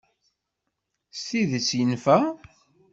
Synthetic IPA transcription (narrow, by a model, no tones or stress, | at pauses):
st̪iðət͡sːjənfæ